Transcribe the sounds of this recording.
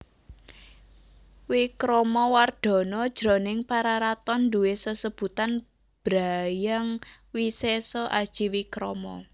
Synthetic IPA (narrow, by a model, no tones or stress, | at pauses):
wikɾɔmɔward̪̥ɔ̤nɔd̥ʒ̥ɾɔ̤nɪŋpaɾaɾat̪ɔnd̪uesəsəb̥ṳt̪an | b̥ɾajaŋwisesɔʔad̥ʒ̥i̤wikɾɔ̰mɔ̰